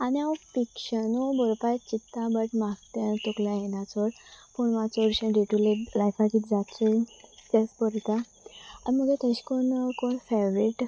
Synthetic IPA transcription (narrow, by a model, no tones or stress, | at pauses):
aniafikɕənubɔɾpajt͡ɕit̪ːabəʈmaɡt̪ent̪okljajenat͡sʋəɾpuɳmãt͡səɾɕə̃ɖeʈulelajfakit̪d͡zat͡sət̪espəɾt̪a | animəɡet̪əɕi̥konkonfeʋɾiʈ